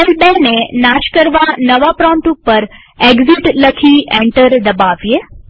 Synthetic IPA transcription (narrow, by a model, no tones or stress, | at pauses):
elbenenaʃkəɾʋanəʋapɾɔ̃mʈupːəɾ | eɡziʈləkʰiẽɳʈəɾd̪əbaʋje